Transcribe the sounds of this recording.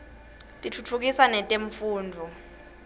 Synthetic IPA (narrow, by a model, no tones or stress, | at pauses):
tʼitʰut͡fʰuk̬isanɛtʼeɱfuːndʱu